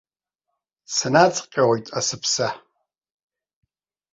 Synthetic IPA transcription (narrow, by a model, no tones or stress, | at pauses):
sɨnat͡sʼqʲʼawojtʼasɨpʰsa